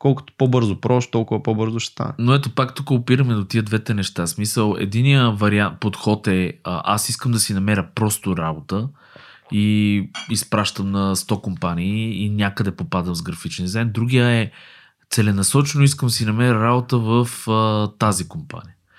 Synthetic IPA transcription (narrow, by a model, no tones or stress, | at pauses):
kɔlˠkʊ̥t̪o̥pobɤɾzopɾɔʃt̪ɔlˠkʊvəpobɤɾzʊʃɛ̥st̪a̰nɛnoɛt̪opakt̪ukəopiɾəmɛd̪ot̪iəd̪vɛt̪ɛnɛʃt̪asmisəlˠɛ̰d̪inijəvɐɾiant̪̚pot̪xɔt̪ɛʔa̰siskəmd̪ɐsinɐmɛɾʲəpɾɔst̪oɾabot̪ə | iispɾaʃt̪əmnɐst̪ɔkompaniːnʲakəd̪ɛpopad̪əmzɡɾɐfit͡ʃnizɛnd̪ɾuɡijəɛ | t̪sɛlɛnɐsɔt͡ʃɛnoiskəmsinɐmɛɾʲəɾabot̪əvəft̪azikompa̰nijə